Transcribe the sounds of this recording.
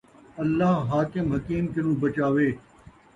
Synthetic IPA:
ɐlːaːɦɦaːkɪmɦɐkiːmkɪnũːbət͡ʃaːʋeː

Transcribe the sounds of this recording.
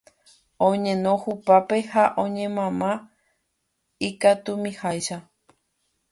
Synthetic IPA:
õɲẽ̞nõhupape̞haʔõɲẽ̞mãmã | ikat̪umĩhajʃa

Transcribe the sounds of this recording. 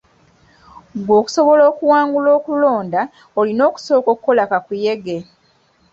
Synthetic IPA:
ɡwo̞ːku̥so̞βo̞loːkuwaːŋɡulo̞ːkulo̞ːnda | olino̞ːku̥so̞ːkokukːo̞lakakuje̞ɡe

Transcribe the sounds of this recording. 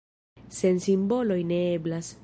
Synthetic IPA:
se̞nsimbo̞lo̞jne̞e̞blas

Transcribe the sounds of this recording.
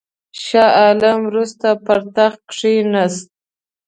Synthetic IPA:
ʃɑʔɑlamwɾust̪apaɾt̪axkʂinast̪̚

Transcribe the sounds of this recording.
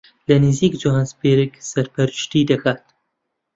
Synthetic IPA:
lɐnɨziːkd͡ʒuɦanspeːɾɨksɐɾpɐɾɨʃt̪id̪ɐkʰaːt̪

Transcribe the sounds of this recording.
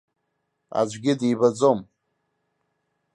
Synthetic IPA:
a̰d͡ʒʷɡʲɪdiːbad͡zom

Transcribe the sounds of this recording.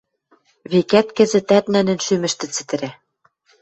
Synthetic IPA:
βekæt̪kɘ̆zɘ̆t̪æt̪nænɘ̆nʃymɘ̆ʃt̪ɘ̆t͡sɘ̥̆t̪ɘ̆ɾæ

